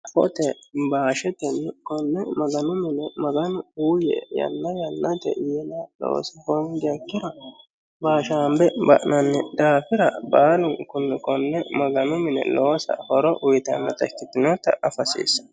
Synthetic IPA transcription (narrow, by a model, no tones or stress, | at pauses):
fɔ̰t̪ɛbaːʃɛt̪ɛnːkɔnːɛmɐɡɐnʊmɪnɛmɐɡɐnʊuːjɛ̰jɐ̰nːɐjɐnːɐt̪ɛ̰jinɐlo̰ːsɐhɔnd̪ɪjɐkːɪɾɐ | baːʃaːmbɛbɐ̰ʔnɐnːɛd̪aːfɪɾɐbaːlʊnkʊnːɛkɔnːɛmɐɡɐnʊmɪnɛ̰loːsɐ̰hɔɾɔʔʊjt̪ɐnːɐt̪ɐkːɪt̪ːɪnɔt̪ːɐ̰ɐfɐsḛːsɐ̥